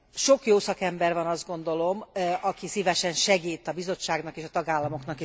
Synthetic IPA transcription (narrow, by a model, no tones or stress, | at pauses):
ʃo̞kjoːsɒkɛmbɛrvɒnɒzd̪̚ɡo̞nd̪o̞lo̞mɒkisivɛʃɛnʃɛɡiːt̪ːɒbizo̞t͡ʃːaːɡnɒkeːʃɒt̪ɒɡaːlːɒmo̞knɒke